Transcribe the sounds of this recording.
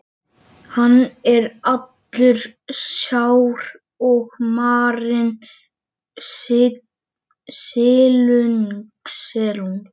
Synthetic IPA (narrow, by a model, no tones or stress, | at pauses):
hanːɛɾat̪lʏɾ̥sjawɾ | ɔɣmaːɾɪn | sɪːlʏnksɛɾun